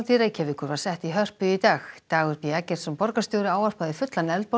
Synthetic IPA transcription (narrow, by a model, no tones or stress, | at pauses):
t̪iɾajcʰɛvɪkʏɾvaɾ̥sɛht̪iɦœr̥pʏit̪aːxt̪aːɣʏɾpiacɛɾ̥sɛmpɔɾkast̪jɔwɾɪaːwar̥paðɪfʏt̪lanɛlt̪̚pɔ